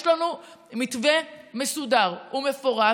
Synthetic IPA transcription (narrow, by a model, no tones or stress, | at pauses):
ʃlanumitvemesudaʁume̞foʁa